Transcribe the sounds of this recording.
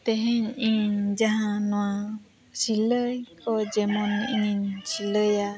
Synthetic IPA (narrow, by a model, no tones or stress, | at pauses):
t̪ɛɦɛ̃ɲiɲɲd͡ʒaɦãnɔwa | siləjkɔd͡ʒɛmɔniɲinsiləja